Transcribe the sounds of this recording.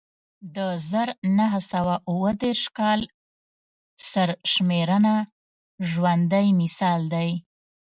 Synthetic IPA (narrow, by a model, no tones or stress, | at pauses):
d̪əzəɾnaɦasawaʔuwəd̪eɾʃkɑl | səɾʃmeɾəna | ʒwand̪ajmɪsɑld̪aj